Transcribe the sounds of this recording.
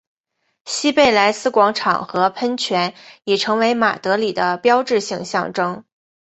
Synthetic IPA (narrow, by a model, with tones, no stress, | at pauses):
ɕi˥pe˥˩ɪla˧˥ɪsɹ̩˥kwɑ˧˥ŋʈ͡ʂʰɑ̰˨˩ŋxɤ˧˥pʰə˥nt͡ɕʰɥɛ˧˥ni˨˩ʈ͡ʂʰɤ˧˥ŋwe˧˥ɪma̰˨˩t̪ɤ˧˥li˨˩d̪ə˦pjɑ˥ʊʈ͡ʂɻ̩˥˧ɕi˧ŋɕjɑ̰˥˧ŋʈ͡ʂɤ˥ŋ